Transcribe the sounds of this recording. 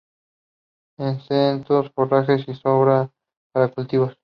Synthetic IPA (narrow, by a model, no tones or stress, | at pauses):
ensent̪osforaxesisoβɾa | paɾakult̪iβos